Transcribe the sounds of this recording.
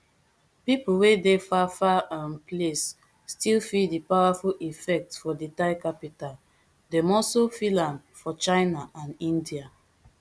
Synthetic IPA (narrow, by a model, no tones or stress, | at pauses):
pipuwedefafaãnplesː | tilfidipawafulifɛk̚tfɔditaɪkapital | dɛ̃mɔsofilãnd | fɔt͡ʃãɪnaʔãnĩndia